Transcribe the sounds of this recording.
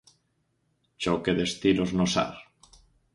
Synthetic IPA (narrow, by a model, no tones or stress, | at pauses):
t͡ʃokeðest̪iloznosa̰ɾ